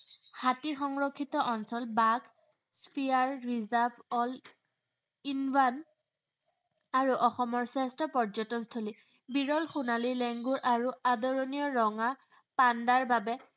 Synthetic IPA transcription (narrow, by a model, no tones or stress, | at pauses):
hatixɔŋɹokʰːitɔʔɔnsɔlbaɡ | spʰiaɹɹizabɔl | inban | aɹuʔɔxɔmɔɹsɛstɔpɔɹd͡ʒɔtɔnstʰoli | biɹɔlxunalilɛŋɡuɹʔaɹuadoɹonijɔɹɔŋa | pandaɹbabɛ